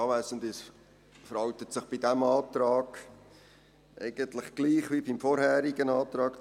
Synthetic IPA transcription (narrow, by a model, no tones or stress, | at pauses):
ɑːʋæːsəndɪs | fəɾɑlt̪ətsɪχb̥idæmɑːtɾɑːɡ̥ | ʔɛ̰ɪɡ̥ənt̪lɪχɡ̥liːχʋibimfɔɾhæːɾiɡənɑːtɾɑːk